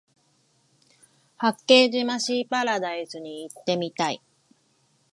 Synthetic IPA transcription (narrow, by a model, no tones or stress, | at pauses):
hakːe̞ːd͡ʑimaɕiːpaɾad̪aisɨɲ̟iːt̪ːe̞mʲit̪aḭ